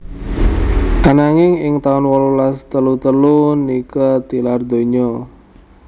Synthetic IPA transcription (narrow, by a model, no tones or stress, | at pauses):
ʔanaŋɪŋɪŋt̪aʊnwɔlulast̪əlut̪əlunikat̪ilard̪o̤ɲɔ